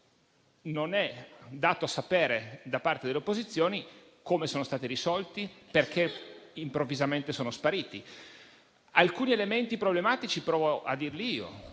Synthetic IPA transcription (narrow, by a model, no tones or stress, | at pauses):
nonɛd̪aːt̪oasapeːɾed̪apart̪ed̪eleopːozit̪sːjoːni | komesoːnost̪aːt̪iɾisɔlt̪iperkʰeimpɾovːizament̪esoːnospaɾiːt̪i | alkuːnielement̪ipɾoblemaːt̪it͡ʃipɾɔːvoʔa̰d̪ːiːrliiːo̰